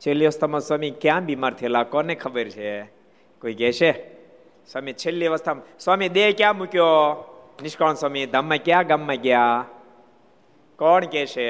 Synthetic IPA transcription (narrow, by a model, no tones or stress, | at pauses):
t͡ʃʰeliʋəst̪ʰəmãswaːmikjãbʱimaːɾt̪ʰeelakɔnekʰəbəɾt͡ʃʰe | koikɛʃe | swaːmit͡ʃʰelːiʋəst̪əmswamiɗ̪ekjãmũkjo | nɪʃkənswaːmid̪ʱəmːãkjãːɡamːakjaː | kɔːɳkɛʃʰe